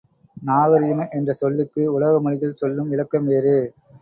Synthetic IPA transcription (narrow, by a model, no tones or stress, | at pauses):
naːɣɐɾɪjɐmɐʔɛndrɐsɔlːɪkːɯʊɭɐɣɐmɐɻɪɣɐlsɔlːɯmʋɪɻɐkːɐmʋeːɾɯ